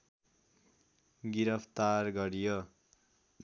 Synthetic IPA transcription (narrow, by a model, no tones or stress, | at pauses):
ɡiɾʌpʰt̪arɡʌɾijʌ